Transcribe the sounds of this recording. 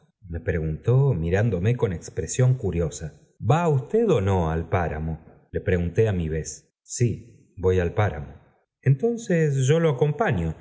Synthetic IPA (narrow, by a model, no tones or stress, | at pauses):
me̞pɾe̞ɣunt̪o̞miɾand̪o̞meko̞ne̞kspɾesjo̞ŋkuɾjo̞sa | baust̪eðo̞no̞a̰lpaɾa̰mo̞ | le̞pɾe̞ɣunt̪eamiβ̞e̞sː | i | bo̞jalpaɾa̰mo̞ | ent̪o̞nsesʒo̞loako̞mpaɲjo